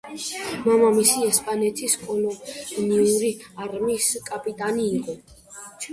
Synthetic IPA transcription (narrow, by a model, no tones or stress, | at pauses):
mamamisiɛspʼanɛt̪ʰiskʼɔlɔniuɾiaɾmiskʼapʼit̪ʼaniːqʼɔ